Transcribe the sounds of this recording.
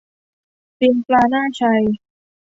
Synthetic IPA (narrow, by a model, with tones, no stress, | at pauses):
pi˧nplaː˧naː˥˩t͡ɕʰa˧j